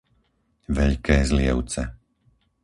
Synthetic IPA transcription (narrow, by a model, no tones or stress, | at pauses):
ʋɛʎkɛːzlɪɛʊt͡sɛ